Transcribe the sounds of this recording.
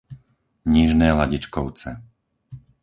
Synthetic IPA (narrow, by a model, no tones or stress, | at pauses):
ɲiʒnɛːlaɟit͡ʃkɔʊt͡sɛ